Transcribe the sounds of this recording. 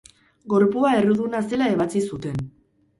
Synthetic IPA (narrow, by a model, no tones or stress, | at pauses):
ɡo̞ɾpuae̞ruðunase̞lae̞β̞at͡sisut̪e̞n